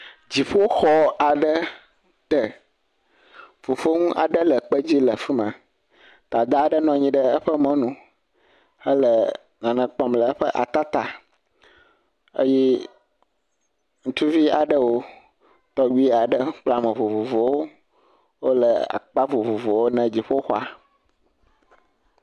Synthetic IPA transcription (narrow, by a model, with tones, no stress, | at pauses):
d͡ʑi˨ɸo˦xɔ˦a˨ɖə˦ | t̪ə˨ | v̥o˨vo˦ŋũ˦ʔa̰˨ɖə˦lə˨k͡pə˦d͡ʑi˦lə˨fi˦mã˨ | t̪a˨d̪a˦a˨ɖə˦nɔ̃˨ɲĩ˦ɖə˦ə˦ɸə˦mɔ̃˦nũ˨ | hə˦lə˨ | nã˨nə̃˨k͡pɔ˦mlə˨ə˦ɸə˦ʔa̰˨t̪a˦t̪a˨ | ə̰˦jɛ˦ | ŋũ˦t̪u˦vi˦a˨ɖə˦wo˦ | t̪ɔ˦wi˦a˨ɖə˦k͡pla˦mə̃˨vo˨vo˨vo˨wo˦ | wo˦lə˨a̰˨k͡pa˦vo˨vo˨vo˨wo˦nɛ̃˨d͡ʑi˨ɸo˦xɔ˦a˨